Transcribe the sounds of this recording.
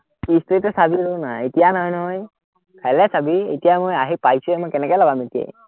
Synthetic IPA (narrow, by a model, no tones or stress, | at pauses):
kistetɔsabiɹonaetijanɔɦɔjnɔɦɔj | kʰajlɛsabiḛtijamojaɦipajsuɛmojkɛnɛkɔjlabametijḛj